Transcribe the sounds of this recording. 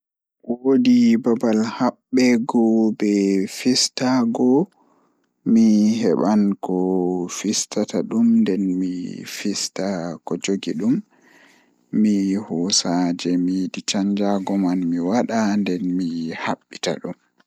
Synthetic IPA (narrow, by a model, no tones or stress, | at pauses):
wodibabalhaɓːɛɡɔbɛfistaɡɔ | miɦɛɓankɔfistataɗumndɛnmḭfistakɔd͡ʒoɡiɗum | ihɔsad͡ʒɛmidit͡ʃaɲd͡ʒaɡɔmanmiwaɗandɛnmihaɓːita̰ɗum